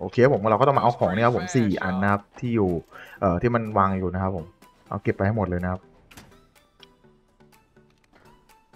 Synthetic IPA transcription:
ʔoː˧kʰe˧a˥pʰo˩˦m˧˩a˧wkːt̪ɔ˥˩ma˧ʔa˧wkʰɔː˩˦ŋni˥˨a˦pʰo˩˦msiː˨˩ʔa̰˧nːa˦˥kʰa˦˥p̚t̪ʰiː˥˩juː˨˩ʔɤː˨˩t̪ʰiː˥˩ma˧nwaː˧ŋjuː˨˩na˦˥kʰa˦˥pʰːo˨˩˦m | ʔa̰˧wke˨˩pːa˧jha˥˩jmo˨˩t̪̚ɤː˧jna˦˥kʰa˦˥p̚

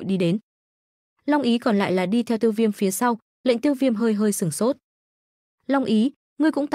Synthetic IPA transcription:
jɗi˧ɗe˨˦n | lɔ˧wŋ͡mʔi˨˦kɔ˨˩nla̰ː˧˨jlaː˨˩ɗi˧t̪ʰɛ˧wt̪i˧əwvi˧əmfi˨˦əsa˧w | lḛ˧˨ŋ̟t̪i˧wvi˧əmɦəː˧jɦəː˧jsɨ˧˩əŋso˦˥t̚ | lɔ˧wŋ͡mʔi˨˦ | ŋɨ˧əkʊ̰˧˥ŋ͡mt̪

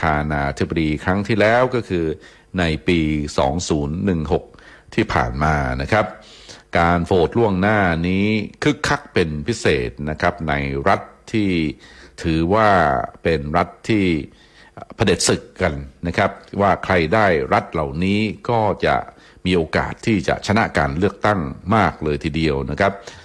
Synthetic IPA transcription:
t̪ʰaː˧naː˧t̪ʰi˦˥ba˧diː˧kʰɾa˦˥ŋt̪ʰiː˥˩lɛː˦˥wkɔː˥˩kʰɯː˧ | na˧jpiː˧sɔ̰ː˩˦ŋsuː˩˦nːɯ˨˩ŋɦo˨˩k̚ | t̪ʰiː˥˩pʰa̰ː˨˩nmaː˧na˦˥kʰa˦˥p̚ | kaː˧nfoː˨˩t̪̚lu˥˩əŋnaː˥˩niː˦˥kʰɯ˦˥˩kʰːa˦˥k̚pe˧npʰi˦˥sḛː˨˩t̪̚na˦˥kʰa˦˥p̚na˧jɾa˦˥t̪ʰːiː˥˩t̪ʰɯː˩˦waː˥˩pe˧nɾa˦˥t̪ʰːiː˥˩ | pʰa˧de˨˩t̪̚sɯ˨˩kːa˧nːa˦˥kʰa˦˥p̚waː˥˩kʰɾa˧jdaː˥˩jɾa˦˥t̪̚la˨˩wniː˦˥kɔː˥˩t͡ɕa̰˨˩ʔ | miː˧ʔoː˧ka̰ː˨˩t̪ʰːiː˥˩t͡ɕa̰˨˩ʔt͡ɕʰa˧na˦˥kaː˧nlɯ˥˩ək̚t̪a˥˩ŋmaː˥˩k̚lɤː˧jt̪ʰiː˧di˧əwna˦˥kʰa˦˥p̚

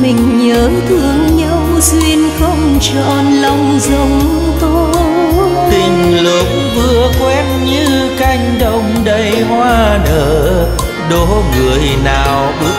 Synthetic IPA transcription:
mï˨˩ŋ̟ɲəː˨˦t̪ʰɨ˧˩əŋɲa˧w | swi˧ənxə˧wŋ͡mt͡ɕɔ̰˧˩˨nlə˧wŋ͡mzə˨˦wŋ͡m | t̪o˧ | t̪ï˨˩ŋ̟lɨ˨˦k̚ | vɨ˧əkwɛ˧nɲɨ˧ | ka˧jŋ̟ɗə˧˨wŋ͡mɗə˧˩jhwaː˧ɗəː˧˩˦ | ɗo˨˦ŋɨ˨˩əjnaː˨˩wɗɨ˧˦

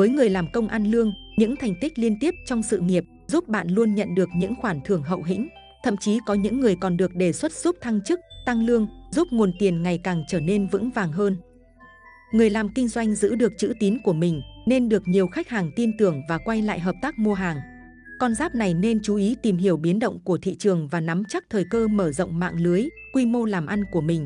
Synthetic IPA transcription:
vəː˨˦jŋɨ˨˩əjlaː˨˩mkə˧wŋ͡mʔa˧nlɨ˧əŋɲɨ̰˧˥ŋt̪ʰa˨˩jŋ̟t̪ï˦˥k̚li˧ənt̪i˦˥əp̚t͡ɕɔ˧wŋ͡msɨ̰˧˨ŋi˨˩əp̚ | zu˦˥p̚ɓa̰ː˧˨nlu˧ənɲə̰˧˨nɗɨ˨˩ək̚ɲɨ̰˧˥ŋxwaː˧˩nt̪ʰɨ˨˩əŋɦə̰˧˨wɦḭ˧˥ŋ̟ | t̪ʰə̰˧˨mt͡ɕi˨˦kɔ˨˦ɲɨ̰˧˥ŋːɨ˨˩əjkɔ˨˩nɗɨ˨˩ək̚ɗe˨˩swə˦˥t̚z̥u˦˥p̚t̪ʰa˧ŋt͡ɕɨ˦˥k̚t̪a˧ŋlɨ˧əŋzu˦˥p̚ŋo˨˩nt̪i˨˩ənŋa˨˩jkaː˨˩ŋt͡ɕəː˧˩ne˧nvɨ̰˧˥ŋvaː˨˩ŋɦəː˧n | ŋɨ˨˩əjlaː˨˩mkï˧ŋ̟zwa˧jŋ̟zɨ̰˧˥ɗɨ˨˩ək̚t͡ɕɨ̰˧˥t̪i˨˦nku˧˩əmï˨˩ŋ̟ne˧nɗɨ˨˩ək̚ɲi˨˩əwxa˦˥jk̚haː˨˩ŋt̪i˧nt̪ɨ˨˩əŋvaː˨˩kwa˧jla̰ː˧˨jɦəː˨˩p̚t̪aː˦˥k̚mu˧əɦaː˨˩ŋ | kɔ˧nzaː˦˥p̚na˨˩jne˧nt͡ɕu˨˦ʔi˨˦t̪i˨˩mɦi˧˩əwɓi˨˦ənɗo̰˧˨wŋ͡mku˧˩ət̪ʰḭ˧˨t͡ɕɨ˨˩əŋvaː˨˩na˨˦mt͡ɕa˦˥k̚t̪ʰəː˨˩jkəː˧məː˧˩zə̰˧˨wŋ͡mma̰ː˧˨ŋlɨ˨˦əjkwi˧mo˧laː˨˩mʔa˧nku˧˩əmï˨˩ŋ̟

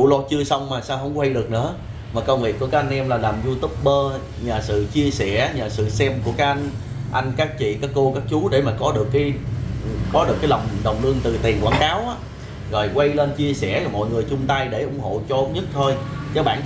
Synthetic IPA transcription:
lɔ˧t͡ɕɨ˧əsa˧wŋ͡mmaː˨˩saː˧wɦə˧wŋ͡mkɔ˧˦˧i˧ɗɨ˨˩ək̚nɨ̰˧˥ə | maː˨˩kə˧wŋ͡mvi˨˩ək̚ːu˧˩əkːaː˦˥ʔa˧n̟ʔɛ˧mlaː˨˩laː˨˩mzu˧t̪u˦˥p̚ɓəː˧ | ɲaː˨˩sɨ̰˧˨t͡ɕi˧əsɛ˧˩˦ɲaː˨˩sɨ̰˧˨sɛ˧mku˧˩əkaː˦˥ʔa˧jŋ̟ | ʔa˧jŋ̟kaː˦˥k̚t͡ɕḭ˧˨kaː˨˥kko˧kaː˦˥k̚t͡ɕu˨˦ɗe˧˩maː˨˩kɔ˨˦ɗɨ˨˩əkːaː˨˦j | kɔ˨˦ɗɨ˨˩əkːa˨˦jla˨˩wŋ͡mɗə˨˩wŋ͡mlɨ˧əŋt̪ɨ˨˩t̪i˨˩ənkwaː˧˩nkaː˨˦wʔaː˦ | ɣɔ̰˧˩jkwa˧jleː˧nt͡ɕi˧əsɛ˧˩laː˨˩mɔ̰˧˨jŋɨ˨˩əjt͡ɕʊ˧ŋ͡mt̪a˧jɗe˧˩ʔʊ˨˩˦ŋ͡mho̰˧˨t͡ɕɔ˧ʔo˧˦wŋ͡mɲə˦˥t̚t̪ʰo˧jt͡ɕə˨˦ɓa̰ː˧˩˨n

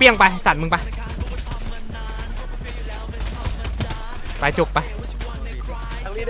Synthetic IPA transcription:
pi˧əŋpa˧jsa˨˩t̪̚mɯ˧pa˧˩j | pa˨˩t͡ɕo˨˧˩k̚pa˧j

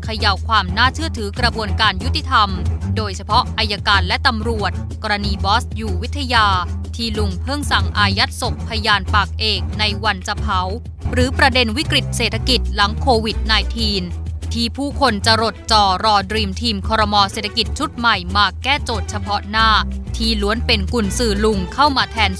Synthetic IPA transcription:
kʰa˧ja˦˥wkʰwaː˧mnaː˥˩t͡ɕʰɯ˥˩ət̪ʰɯː˩˦kɾa˧bu˧ənkaː˧nju˦˥t̪i˧˨˩t̪ʰa˧mdoː˧jt͡ɕʰa˧pʰɔ˦˥ʔʔa˧jːa˧kaː˧nlɛ˦˥t̪a˧mɾu˨˩ət̪̚kɔː˧ɾa˧niː˧bɔː˦˥st̪̚juː˨˩wi˦˥t̪ʰːa˧jaː˧t̪ʰiː˥˩lu˨˩ŋpʰɤ˥˩ŋsa˨˩ŋʔaː˧ja˦˥t̪̚so˨˩k̚pʰːa˧jaː˧npaː˨˩k̚ʔeː˨˩k̚na˧jwa˧nt͡ɕa˧pʰa˩˦w | ɾɯː˩˦pɾa˧de˧nwi˦˥kɾi˨˩t̪̚seː˨˩t̪ʰa˧ki˨˩t̪̚la˩˦ŋkʰoː˧wi˨˩t̪̚naː˧jt̪ʰiː˧nt̪ʰiː˥˩pʰuː˥˩kʰo˧nt͡ɕa˨˩ɾo˨˩t̪̚t͡ɕɔː˨˩ɾɔː˧dɾiː˧mt̪ʰiː˧mkʰɔː˧ɾɔ˧mɔː˧seː˨˩t̪ʰːa˧ki˨˩t̪̚t͡ɕʰu˦˥t̪̚ma˨˩jmaː˨˩kːɛː˥˩t͡ɕoː˨˩t̪̚t͡ɕʰa˧pʰɔ˦˥naː˥˩t̪ʰiː˥˩lu˦ənpe˧nku˨˩nsɯː˨˩lu˧ŋkʰa˥˩wmaː˧t̪ʰɛː˧n

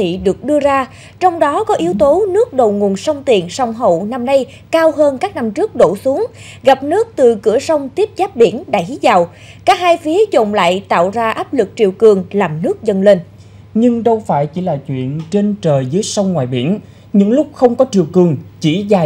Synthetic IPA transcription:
t̪ʰḭ˧˨ɗɨ˨˩ək̚ɗɨ˧əzaː˧ | t͡ɕɔ˧wŋ͡mɗɔ˨˦kɔ˨˦ʔi˨˦əwt̪o˨˦nɨ˦˥ək̚ɗo˨˩wŋu˨˩ənsə˧wŋ͡mt̪i˨˩ənsa˧wŋ͡mɦo̰˧˨na˧mna˧j | kaː˧wɦəː˧nkaː˦˥k̚na˧mt͡ɕɨ˦˥ək̚ɗo̰˧˨su˨˦əŋ | ɣa˨˩p̚nɨ˦˥ək̚t̪ɨ˨˩kɨ̰˧˩əsə˧wŋ͡mt̪i˦˥əp̚zaː˦˥p̚ɓḭ˧˩ənɗa̰ː˧˩jʔi˨˦za˨˩w | kaː˦˥k̚haː˧jfi˨˦əzo̰˧˨ŋ͡mla̰ː˧˨jt̪a̰ː˧˨wzaː˧ʔaː˦˥p̚lɨ˨˩k̚t͡ɕi˨˩əwkɨ˨˩əŋlaː˨˩mnɨ˦˥ək̚zə˧nle˧n | ɲɨ˧ŋɗə˧wfaː˧˩jt͡ɕi˧˩laː˨˩t͡ɕwḭ˧˨ənt͡ɕe˧nt͡ɕəː˨˩jzɨ˨˦jsə˧wŋ͡mŋwaː˨˩jɓḭ˧˩ən | ɲɨ̰˧˥ŋlʊ˦˥k͡p̚xə˧wŋ͡mkɔ˨˦t͡ɕi˨˩əwkɨ˨˩əŋt͡ɕḭ˧˩zaː˨˩

